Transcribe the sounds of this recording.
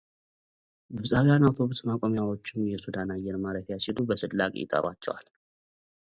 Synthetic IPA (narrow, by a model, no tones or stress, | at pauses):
ɡɨβsʼawjanawt̪ʰo̞βʊsmakʷʼomjawot͡ʃːɪmjɛsud̪anajːɛɾmaɾək̪jasilubəsɨdla̰kʼjɪ̰t̪ʼə̰ɾwa̰t͡ʃːɛ̰wa̰l